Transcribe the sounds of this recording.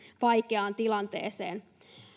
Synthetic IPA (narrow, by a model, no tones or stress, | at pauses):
ʋɑjkeɑːnt̪ilɑnt̪ḛːseːn